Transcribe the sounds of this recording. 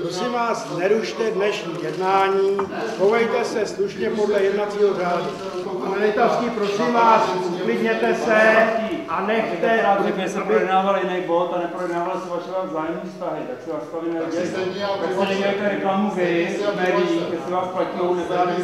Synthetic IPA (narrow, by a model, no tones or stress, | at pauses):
pɾo̞sɪmvaːsnɛɾuʃt̪ɛdnɛʃɲiːjɛdnaːɲiːhovɛjt̪ɛsɛsluʃɲɛpo̞dlɛjɛdnat͡siːɦo̞raːdu | analɛt̪askiːpɾo̞simvaːsuklɪdɲɛt̪ɛsɛt̪iʔanɛkxt̪ɛaʒɛbɪsɛapɾbɪjɛdnaːvaljɪnɛjbot̪anɛpɾojɛdnaːvalɪsɛvaʃɛvavzaːjɛmɲiːfst̪aɦɪt̪aksɛvast̪avinɛɛɛsɛnɛɡajt̪ɛɾɛklamuvɪsmɛːdiiɡɛsɛvaːsplacilownɛbɾaːni